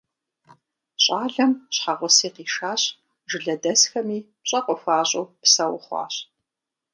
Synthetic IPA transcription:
ɕʼaːɮɐmɕħaʁʷʊsiːqiːʂaːɕ | ʒɨɮɐdɐsxɐmiːpɕʼɐqʷʼɔfaːɕʼoːpsɐwʊχʷɑ̰ːɕ

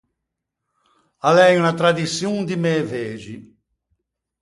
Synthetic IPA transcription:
alɛjunat̪ɾad̪isjund̪imeːveːʒi

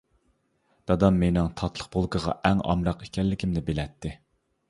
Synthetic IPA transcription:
d̪̥ɑd̪ɑmːenɪŋt̪ʰɑt̪ʰlˠə̥q̚bolˠkəʁɑ̰ʔɛŋɑ̰mɾɑqe̥kʲɛllːɪkʲʰimnɪbelɛt̪ːɪ

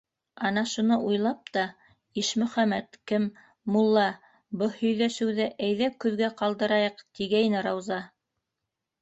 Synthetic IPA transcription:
ɑnɑʃunɤʔujlˠɑp̚t̪ɑ | iʃmɵ̆χæmæt̪kɘmː | ulˠːɑ | bɤhɵ̆jlæʃɘ̆wðɘʔæjðækʉðɡæqɑlˠd̪ɤ̆ɾɑjɤqt̪iɡæjnɘɾɑwzɑ

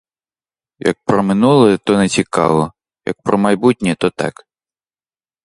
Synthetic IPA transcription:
jɐ̰k̚pɾɔmɪnulˠɛt̪ɔnɛt͡sʲikɑ̰ʋɔ | jɐ̰k̚pɾɔmɐjbutʲnʲɛt̪ɔt̪ɑ̰k

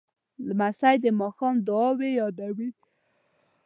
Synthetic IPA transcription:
lmasajd̪əmɑxɑnd̪ʊɑwejɑd̪awi

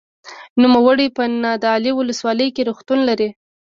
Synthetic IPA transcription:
numawəɽipənɑd̪ɑliwʊləswɑləjkeɾuxt̪unlaɾi

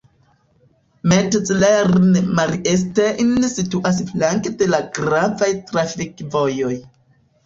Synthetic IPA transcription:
mett͡sleɾnmalies̬teʔinsituʔas̬flaŋkede̞laɡɾavajtɾafikvo̞jo̞j

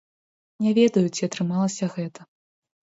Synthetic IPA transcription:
nʲɛvʲɛd̪ɐjut͡sʲiat̪ɾɨmalˠɐsʲɐɣɛt̪ɐ

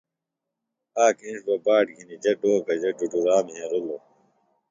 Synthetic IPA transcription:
aːkiːʂbɐbaːʈɡʱinid͡ʑɐɖoːkɐd͡ʑɐɖuɖuɾaːmɦẽːɾulo

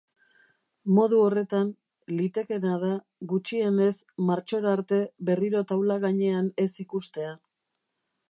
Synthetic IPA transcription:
mo̞ðuo̞re̞t̪an | lit̪e̞ke̞nað̞a | ɣut͡ʃie̞ne̞smaɾt͡ʃo̞ɾaɾt̪e̞βe̞riɾo̞t̪awlaɣaɲe̞ane̞sikust̪e̞a

